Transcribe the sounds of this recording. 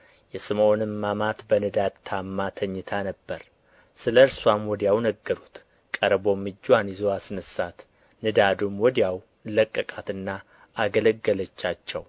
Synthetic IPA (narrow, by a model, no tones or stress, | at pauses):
jɛsɨmonɨmːamat̪bənɨd̪ad̪̚t̪ʰamːat̪ʰəɲːɨt̪ʰanəbːəɾ | sɨləɨɾswamwɔd̪ijawnəɡːəɾut̪ | kʼəɾbo̞mːɨd͡ʒːwanjizowasɨnəsat̪ | nɨd̪ad̪umwɔd̪ijaw | ləkʼːəkʼat̪ɨnːa | ʔːɡələɡːələt͡ʃːat͡ʃːɛw